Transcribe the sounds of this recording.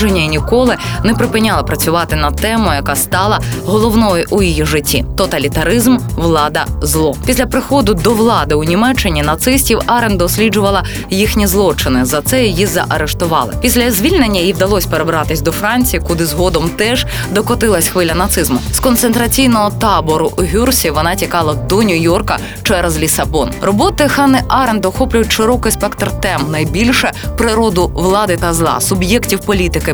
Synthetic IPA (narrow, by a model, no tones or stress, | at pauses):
ʐenʲːɐinʲikɔlˠɪnɛpɾɪpɪnʲalˠɐpɾɐt͡sʲʊʋɑt̪ɪnɐt̪ɛmʊjɐkɑst̪ɑlˠɐɦɔlˠɔwnɔjʊʔujijiʐɪtʲːḭt̪ɔt̪ɐlʲit̪ɐɾɪzmʋlˠɑd̪ɐzlˠɔpʲisʲlʲɐpɾɪxɔd̪ʊd̪ɔʋlˠɑd̪ɪʊnʲimɛt͡ʃːɪnʲinɐt̪sɪsʲtʲiwɑɾend̪ɔsʲlʲid͡ʒʊʋɐlˠɐ | jixnʲizlˠɔt͡ʃɪnɪzɐt̪sɛjjizɐ̰ʔɐɾeʃt̪ʊʋɑ̰lˠɪ̰pʲisʲlʲɐzʲʋʲilʲnenʲːɐjiwd̪ɐlˠɔsʲpeɾebɾɑt̪ɪsʲd̪ɔfɾɑnʲt͡sʲijikʊd̪ɪzɦɔd̪ɔmt̪ɛʒ̥ | d̪ɔkɔt̪ɪlˠɐsʲxʋɪlʲɐnɐt̪sɪzmʊskɔnt̪sent̪ɾɐt͡sʲijnɔɦɔt̪ɑbɔɾʊʔɦʲursʲiʋɔnɑtʲikɑlˠɐd̪ɔnʲʊjɔrkɐ | t͡ʃɛɾɛzlʲisɐbɔnrɔbɔt̪ɪxɑnɪʔɑɾend̪ɔxɔplʲʊjʊtʲʃɪɾɔkɪjspɛkt̪rt̪ɛmnɐjbʲilʲʃɛpɾɪɾɔd̪ʊʋlˠɑd̪ɪt̪ɐzlˠɑ̰sʊbjɛktʲiwpɔlʲit̪ɪkɪ